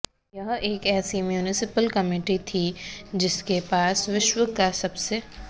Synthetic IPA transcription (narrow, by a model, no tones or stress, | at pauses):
jɐɦeːkɛːsimjuːnɪsɪpəlkɐmiːʈit̪ʰid͡ʒɪskepaːsʋɪʃwəkasɐbse